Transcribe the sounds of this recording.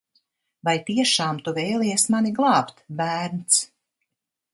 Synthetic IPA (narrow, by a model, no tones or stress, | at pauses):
vajt̪iɛʃaːmt̪uvɛjlˠiɛsmaniɡlˠɑːpt̪bæːɾnt̪s